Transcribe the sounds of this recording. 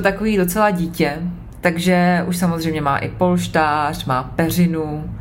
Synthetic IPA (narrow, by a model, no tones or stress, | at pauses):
ot̪akoviːdo̞t͡sɛlaɟiːcɛ | t̪aɡʒɛʔuʃsamozrɛjmɲɛma̰ːʔɪpo̞lʃt̪aːr̝̥maːpɛr̝ɪnu